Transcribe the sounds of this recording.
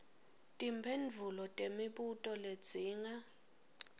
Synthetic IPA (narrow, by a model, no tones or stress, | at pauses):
tʼimbʰʱenvʱulɔtʼemiɓutʼɔled̥d͡z̥ʱiːŋa